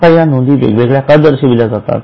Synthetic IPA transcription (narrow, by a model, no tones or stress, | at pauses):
ajanund̪iːʋḛɡʋeɡɭjakəd̪əɾɕiʋiljad͡zat̪a̰t̪